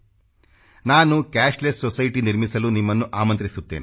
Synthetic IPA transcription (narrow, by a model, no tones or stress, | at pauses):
naːnukaːʂlessɔsɐjʈiniɾmisɐlunimːɐnːuʔaːmɐnt̪ɾisut̪ːḛːni